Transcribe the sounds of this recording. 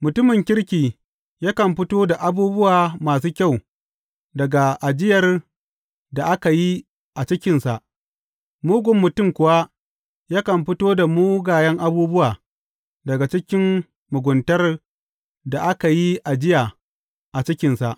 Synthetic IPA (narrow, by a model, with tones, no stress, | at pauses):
mʊ˨tʊ˦mɪ˨ŋkʲɪ˦ɽkʲiː˨ | jaː˦kɐ˨mɸɪ˦toː˦da˨ʔa˨buː˦bʊ˦waː˨maː˨s̬uː˦kʲa˦˨w | dɐ˨ɡa˨ʔa˨d͡ʒɪ˦jɐ˨r | da˨ʔa˦ka˨ji˦ | ʔa˨t͡ʃɪ˦kʲɪ˨nsa˨ʔ | muː˦ɡʷʊ˨mːʊ˨tʊ˦˨mkʷʊ˨wa˦ | jaː˦kɐ˨mɸɪ˦toː˦da˨muː˦ɡaː˨jɐ˦ŋʔa˦buː˦bʊ˦waː˨ | dɐ˨ɡa˨t͡ʃɪ˦kʲɪ˦mː | ʊ˨ɡʷʊ˨ntɐ˦r | da˨ʔa˦ka˨ji˦ʔa˨d͡ʒɪ˦jaː˨ | ʔa˨t͡ʃɪ˦kʲɪ˨nsa˨ʔ